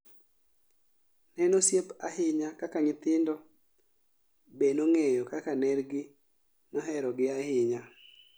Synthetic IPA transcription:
nɛnosjepaɦɪɲakakaɲɪt̪ɪndɔ | benoŋejokakanɛɾɡɪ | nɔɦɛɾɔɡɪahɪɲa

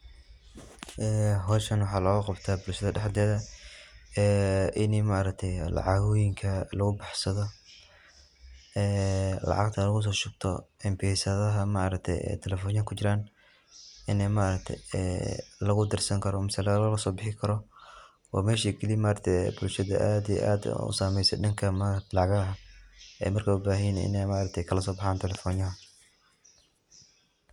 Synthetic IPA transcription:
ʔɛːɦɔːʃɐnwɑħɑːlɐɣɐqɑbt̪ʰaːbʊlʃɐðɐɖɛħd̪ɛːðɐ | ɛːʔɪnɛmaɾɐk̚t̪ʰɛjlɑ̰ʕɑɣɔjɪŋkʰɐlɐɣʊbɑħsɐðɔ | ɛːlɑ̰ʕɑ̰ɡt̪ʰɐlɐɣʊs̬ɔːʃʊɡt̪ʰɔ̰ɛmbɛːsɐðɐɦɐmaʔɾɐk̚t̪ʰɛ̰jɛ̰ːt̪ʰɛlɛfɔːnjɐŋkʰʊt͡ʃɪɾaːn | ɪnɛjmaːɾɐk̚t̪ʰɛ̰jɛ̰ːlɐɣʊd̪ɪrsɐŋkʰɐɾɔmɪsɛlɐɣlɐsɔːbɪħɪkʰɐɾɔ | wɑ̰ːmɛːʃiːɡɛlimaːɐt̪ʰɛjɛ̰bʊlʃɐðɐʔaːd̪ijɛ̰ʔaːd̪̰ʊ̰saːmɛjsɛ̰nɪŋkʰɐmalɑʕɣɐɦɐɛ̰ːmɐrkʰɐwʊbaːɦɪnɪ̰nɛjmaʔːɾɐk̚t̪ʰɛjkʰɐlɐsɔːbɑħaːnt̪ʰɛlɛfɔːnjɐɦɐ

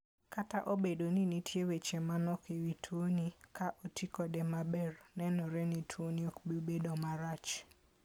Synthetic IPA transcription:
kataʔobedoninitʰjewet͡ʃemanɔkewitʰwonikaʔotʰikɔdɛmabɛrnɛnɔɾɛnitʰwoniokbibedomaɾat͡ʃ

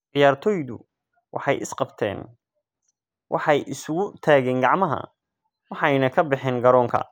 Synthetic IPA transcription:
ʕɪjaːrt̪ʰɔːjðʊ̰ | wʔɑ̰ħɑjʔɪsqɑbt̪ʰɛ̰ːn | wʔɑ̰ħɑjʔɪsʊɣʊt̪ʰaːɣɛːŋɡɑʕmɐɦɐ̰ | wɑħɑjnɐkʰɐbɪħɛːŋɡɐɾɔːŋkʰɐ̰

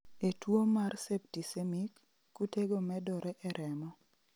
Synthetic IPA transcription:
etwomarsep̚tisemikː | uteɡomɛdɔɾɛʔɛɾʔɛmɔ

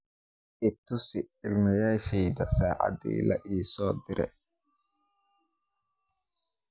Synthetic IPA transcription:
ʔɪt̪ːʊsɪɪlmɪjaːʃɛjðɐsaːʕɑ̰d̪ḭːlɐ̰ʔiːsɔːd̪ɪɾɛ̰

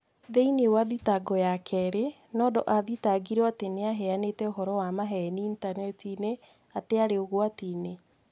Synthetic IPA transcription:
ðeinewaðitaɡɔjakʰɛɾe | nɔːdɔʔaðitaɡiɾɔateneaɦɛanetɛoɦɔɾɔwamaɦɛniːntanɛtine | ateaɾeoɣwatine

